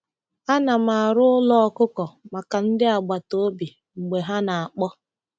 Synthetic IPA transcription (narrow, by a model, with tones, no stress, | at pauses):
a˦na˨ma˨a˨ɾʊ˦ʊ˦lɔ˦ɔ˦kʊ˦kɔ˨ma˨ka˨n̩˦dɪ˦a˨ɡ͡ba˨to˦bi˨ | ŋ͡m̩˨ɡ͡be˨ɦa˦na˨a˨k͡pɔ˦